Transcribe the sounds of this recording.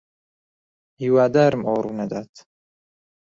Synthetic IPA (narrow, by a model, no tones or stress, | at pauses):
hiwaːd̪aːɾɨmoːɾuːnɐd̪aːt̪